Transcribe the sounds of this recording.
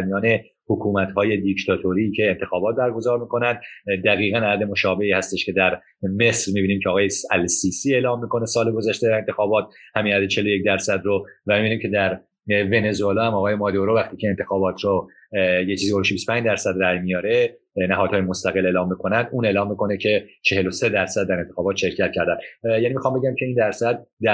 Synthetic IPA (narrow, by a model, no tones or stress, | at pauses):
ɾmijɒːne | hokʰuːmæt̪hɒːje̞d̪ict̪ʰɒt̪ʰoɾicʰeːnt̪ʰe̞xɒːbɒːt̪̚bæɾɡo̞zɒːɾmiːko̞nænd̪d̪æɣiːɣænææd̪emo̞ʃɒːbe̞hiːhæst̪e̞ʃcʰe̞d̪æɾ | me̞sɾmibiːniːmcʰeɒːɣɒːjesælsiːsiːe̞ːlɒːmːiːko̞ne̞sɒːleɡo̞zæʃt̪e̞d̪æɾe̞nt̪e̞xɒːbɒːt̪̚hæmiːæd̪et͡ʃʰelojec̚d̪æɾsæd̪ɾovæmibiniːmkʲcʰe̞d̪æɾ | ve̞ne̞zuelɒːhæmɒːɣɒːjemɒːd̪oɾovæxt̪iːcʰeent̪ʰe̞xɒːbɒːt̪ʰɾo | jet͡ʃiziɡoeʃibisto̥pæɲd͡ʒd̪æɾsæd̪ræjmijɒːɾe̞ | næɦɒːd̪̥hɒːjemost̪æɣeleːlɒːmːiːkʰo̞nænd̪uːne̞ːlɒːmːiːkʰo̞necʰe̞t͡ʃʰe̞he̞lose̞d̪æɾsæd̪̚ːæɾe̞nt̪e̞̥xɒːbɒːt̪ʃe̞ɾcʰæt̪̚cʰæɾd̪ænd̪jæːniːmixɒːmbe̞ɟæmcʰe̞iːnd̪æɾsæd̪̚ːæ